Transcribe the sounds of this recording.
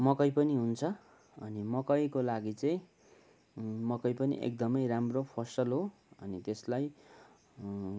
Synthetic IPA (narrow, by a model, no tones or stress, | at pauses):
mʌkʌjpʌniɦunt͡sʰʌ | ʌnimʌkʌjkolaɡit͡sʌĩ | mʌkʌjpʌnḭʔḛk̚d̪ʌmʌjramropʰʌsʌlɦo | ʌnit̪eslaj